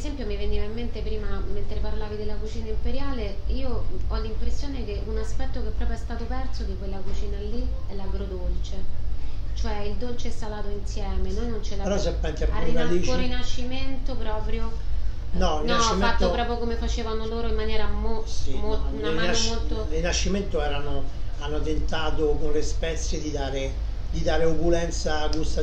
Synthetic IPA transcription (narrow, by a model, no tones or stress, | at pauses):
ezɛmpjomiveniːvaimːent̪epɾiːmament̪ɾeparlaːvid̪elːakut͡ʃiːnaimpeɾjaːleiːoɔlːimpɾesːjoːnekeʔunaspɛt̪ːokepːɾɔːpɾjoɛst̪aːt̪opɛrt̪sod̪ikwelːakut͡ʃiːnaliɛlaɡɾod̪olt͡ʃe | t͡ʃoɛild̪olt͡ʃeɛsalaːt̪oinsjɛːmenojnont͡ʃɛlaɾɔsɛpɛŋkɛarːiːvakoɾainat͡ʃːiment̪opɾɔːpɾjo | nɔrinaɔt͡ʃːimeat̪ːopɾɔːpɾjokomefat͡ʃeːvanoloːɾoimːanjɛːɾamoimounainanomolt̪oɾinat͡ʃːiment̪oɛːɾanoanːot̪ent̪aːt̪okonlespɛt̪sjed̪id̪aːɾe | d̪id̪aːɾeukulɛnt̪saːd͡ʒust̪a